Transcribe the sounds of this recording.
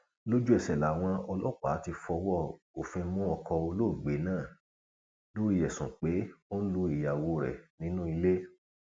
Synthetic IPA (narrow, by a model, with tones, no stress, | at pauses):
lo˦d͡ʒu˦ɛ˦˨sɛ˨la˨w̃ɔ̃˧ɔ˧lɔ˦˨k͡pa̰˨˦ti˧fɔ˧wɔ˦˨ | o˨fĩ˧˦mũ˦ɔ˧kɔ˧o˧lo˦˨ɡ͡be˨˦nãː˦˨ | lo˦ɾi˦˧jɛ˨sũ˨k͡pe˨˦o˦n̩˦lu˧i˨ja˨wo˧ɾɛ̰˨nĩ˨˦nũ˦i˧le˦